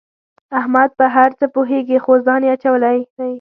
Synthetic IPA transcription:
ahmad̪̚pəɦaɾt͡səpoɦeɡixozd̪ɑneat͡ʃawəlajaj

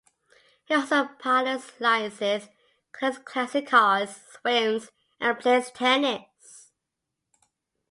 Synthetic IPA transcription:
hiɔˑlˠsoʊpʰaləslaɪzɪz̥ | kʰɪskʰl̥æsɪkʰəz̥swɪ̃ŋz | ʔə̃npʰl̥eɪstʰɛnɪts

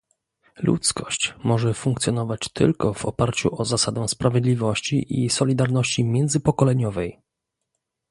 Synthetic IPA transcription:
lṵt̪skɔɕt͡ɕmɔʐɛfuŋkt̪sʲjɔnɔvat͡ɕt̪ʰɘ̰lkɔvɔpaɾt͡ɕṵʔɔzasad̪ɛ̃spɾavʲjɛd̪lʲivɔɕt͡ɕiʔisɔlʲid̪aɾnɔɕt͡ɕimʲjɛnd̪zɘpɔkɔlɛɲɔvɛj

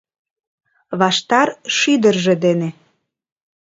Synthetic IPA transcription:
βɑʃt̪ɑrʃyd̪ərʒĕd̪ene

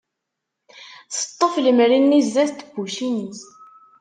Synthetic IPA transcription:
θə̥t̪ˤːəfləmɾinːizːæθt̪ːəbuʃinis

